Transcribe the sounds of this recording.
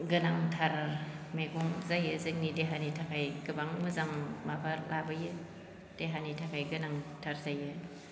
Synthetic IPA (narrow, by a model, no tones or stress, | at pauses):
ɡɯnaŋtʰaɾ | meɡɔŋzajɯzɯŋnideɦanitʰakʰajɡɯbaŋmɯzaŋmabʰʱaɾlabɯjɯ | d̥eɦanitʰakʰajɡɯnaŋtʰaɾzajɯ